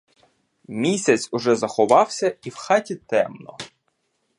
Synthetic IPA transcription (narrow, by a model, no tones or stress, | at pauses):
mʲisʲɐt͡sʲʊʒɛzɐxɔʋɑwsʲɐiwxɑtʲit̪ɛmnɔ̰